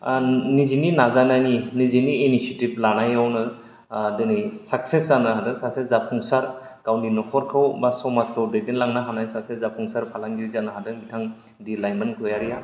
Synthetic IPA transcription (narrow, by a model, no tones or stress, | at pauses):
nizininazanajniniziniːnisetib̚lanajawnɯ | dɯnɯjsakseszanɯɦadɯsasezapʰɔŋsaɾ | kawninɔkʰɔɾkʰɯwbasɔmaskʰɯwdedenlaŋnaɦanajsasezapʰɔŋsaɾpʰalaŋɡiɾizanɯɦadɯbitʰaŋ | dilajmɯnkʰɔjaɾija